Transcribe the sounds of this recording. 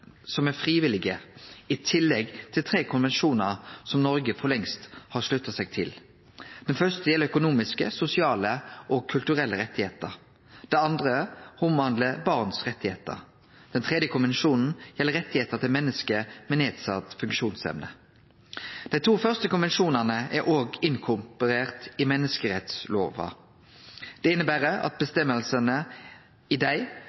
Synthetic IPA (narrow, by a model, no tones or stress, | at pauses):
sɔmæfʁiːʋɪlɪɡəɪt̪ʰɪlːɛɡt̪ʰɪlt̪ʰɾeːkʰʊnʋɛnʃuːnəʁsɔmnɔɾɡəfɔlɛŋst̪hɑʁʂlʉt̪ːɑsɛɡ̚t̪ʰɪl | d̪̥ɛnfœʁst̪əjɛlːəœkʊnuːmɪskəsʊsɪɑːləʔɔkʰʉlt̪ʉʁɛlːəɾɛt̪ːɪheːt̪əɾ | d̪̥ɛɑnd̪ʁəhʊmɑnd̪ləbɑʁnsʁɛt̪ːɪheːt̪ə̰ʁ | d̪̥ɛnt̪ʰʁɛːd̪jəkʰʊnʋɛnʃuːnn̩jɛlːəʁɛt̪ːɪheːt̪ət̪ʰɪlmɛnːəskəmɛneːd̪sɑt̪fʉŋkʃuːnsɛ̰mnə | d̪̥æɪt̪ʰuːfœʁst̪əkʊnʋɛnʃuːnənəʔæɾʔoːɡɪŋkʰʊmpʉɾeːʁt̪ɪmɛnːəskəʁɛt̪sloːʋɑ̰ | d̪̥ɛɪnəbæːʁəʔɑ̰t̪̚bəst̪ɛmːəlsənə | ɪd̪æɪ